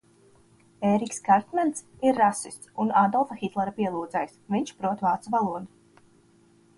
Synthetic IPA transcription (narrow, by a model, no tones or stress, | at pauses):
eːɾikskaɾt̪mɛnt̪siɾːasist̪sunad̪ɔlˠfaxit̪lˠɛɾapiɛlˠuːd̪zɛjsviɲt͡ʃpɾuɔt̪vaːt̪svalˠuɔd̪u